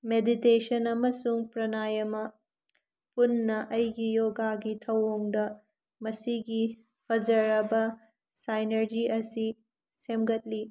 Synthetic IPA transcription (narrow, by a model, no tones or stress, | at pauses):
meditesɐnɐmɐsuŋpɾɐnajɐmɐ | punːɐʔɐjɡijoɡaɡitʰɐwoŋdɐ | mɐsiɡi | pʰɐd͡ʒɐɾɐbɐ | sajnɐɾd͡ʒiʔɐsi | semɡɐt̚li